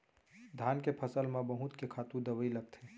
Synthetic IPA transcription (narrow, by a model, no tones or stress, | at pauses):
d̪ʱaːnkepʰəsəlmẽbəɦut̪kekʰaːt̪ũd̪əʋəiləɡ̚t̪ʰeː